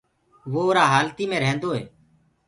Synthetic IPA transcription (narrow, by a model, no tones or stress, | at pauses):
ʋoːoːɾaːɦaːlt̪iːmẽːɾəɦnd̪oːɦḛː